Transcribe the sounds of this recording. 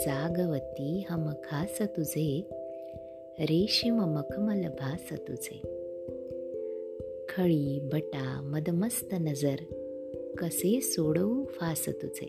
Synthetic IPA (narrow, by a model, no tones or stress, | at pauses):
d͡zaːɡɐʋət̪iːɦəməkʰaːsɐt̪ud͡ze | ɾeːʃimɐmɐkʰmɐlɐbʱaːsət̪ut͡sḛ | kʰəɭiːbʱəʈamɐd̪mɐst̪ənɐd͡zəɾ | kəsesoɽəufaːsə̰t̪ut͡sḛ